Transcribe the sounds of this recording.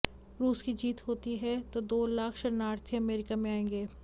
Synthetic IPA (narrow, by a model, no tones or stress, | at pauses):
ɾuːskid͡ʒiːt̪ɦoːt̪iɦɛt̪od̪oːlaːkʰʃɐɾnaːɾt̪ʰẽɐmeːɾɪkamẽaːẽːŋɡeː